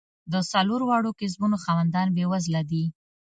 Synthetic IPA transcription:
d̪əsaloɾwɑɽokɪzbunoxɑwand̪ɑnbewazlad̪i

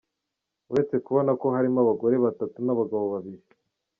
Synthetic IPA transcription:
uɾe̞t͡se̞kuβo̞nako̞ɦaɾimaβaɡo̞ɾe̞βatatunaβaɡaβo̞βaβiɾi

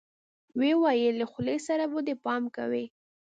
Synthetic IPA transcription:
wewɑjəlaxlesaɾabod̪epɑmka̰wi

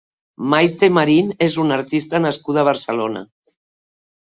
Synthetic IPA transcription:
majt̪emaɾinezunaɾt̪ist̪ənaskuðəβ̞əɾsəlona̰

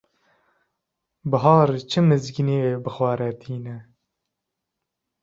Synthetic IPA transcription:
bɨɦɑːɾt͡ʃʰɨmɨzɡineːweːbɨxwɑːɾɛt̪ʰiːnɛ

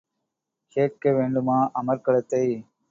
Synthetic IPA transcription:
keːʈ̚keʋeːɳɖɯmaːʔɐmɐɾkɐɭɐt̪ːɐɪ

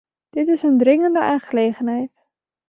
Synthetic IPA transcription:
d̥ɪtɪsəndrɪŋəndəʔaːnχəleːχənɦɛjt

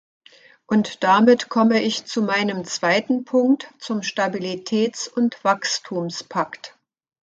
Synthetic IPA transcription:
ʔʊntd̥amɪtkʰɔməɪçt͡sumaɪnəmt͡sv̥aɪtn̩pʰʊŋk̚tt͡sʊmʃtabilitʰɛːt͡sʊntv̥akstʰuːmspʰakt

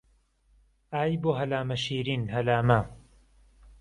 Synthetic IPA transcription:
aːjboːɦɐlaːmɐʃiːɾiːnɦɐlaːmɐ

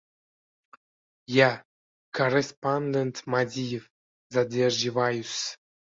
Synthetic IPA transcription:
ja | korespand̪ent̪mad̪ʲijef | zad̪ʲerʒivɑjus

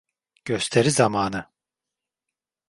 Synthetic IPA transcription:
ɟ̥ø̞st̪ʰe̞ɾizamaːnɯ

